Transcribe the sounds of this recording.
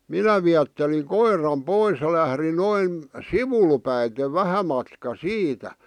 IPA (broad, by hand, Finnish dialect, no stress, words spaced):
minæ ʋiætːeliŋ koirˑɑm pois j̆ɑ̆ læhri noin siʋul pæite ʋæhæ mɑtkɑ siːtæ